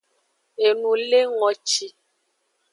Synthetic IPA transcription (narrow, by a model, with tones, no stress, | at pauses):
e˨nũ˨le˦ŋɔ˨t͡ʃi˨